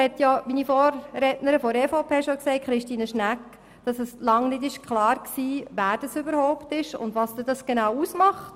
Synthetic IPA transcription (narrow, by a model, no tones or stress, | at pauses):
hɛtjɔminifɔːɾɾɛtnəɾəfɔɾɛːfoʊpʰeːʃoksɛɪt̚kχɾɪʃtiːnəʃnæk | d̥ɑsəslɑŋnɪdɪʃkʰχlɑːɾksiːvæːɾd̥ɑsʏbəɾhɔʊptɪʃʊ̰ndʋɑsdədɑsɡ̥enaːwusmɑχt